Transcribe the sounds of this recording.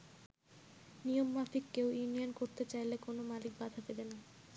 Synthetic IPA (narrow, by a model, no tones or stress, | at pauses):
nijomːafikːewjunijankoɾt̪et͡ɕajlekonomalik̚bad̪ʱad̪ebena